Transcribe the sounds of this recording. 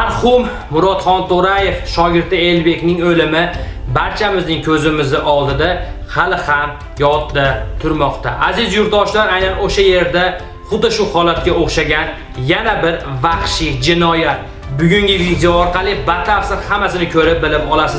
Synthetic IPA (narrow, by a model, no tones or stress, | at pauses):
maɾhʊmː | ʊɾɒt̪χɒnt̪ʰoɾaje̞fʃɒɡʲɪɾd̪ɪe̞lbe̞kʲnɪŋɵlɪmɪbaɾt͡ʃʰamɪznɪŋkʲʰɵzɪmɪzɪʔɒlˠd̪ɪd̪ahalɪham | jɒt̪̚d̪at̪ʰʊɾmɒqt̪ʰa̰ʔazɪzjʊɾt̪̚d̪ɒʃlaɾajnanoʃaje̞ɾd̪a | χʊd̪ːɪʃʊhɒlat̪̚kʲaoχʃaɡʲan | janabɪɾvaχʃɪd͡ʒɪnɒjat̪̚ | bʊɡʲʊŋɡʲɪvid̪ejɒːɾqʰɑlˠɪbat̪ʰafsɪɾhamasɪnɪkʲʰɵɾɪp̚bɪlɪpɒlˠasɪz